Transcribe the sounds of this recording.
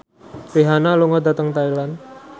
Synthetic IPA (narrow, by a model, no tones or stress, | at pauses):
piɦanaluŋɔd̪at̪əŋt̪ailan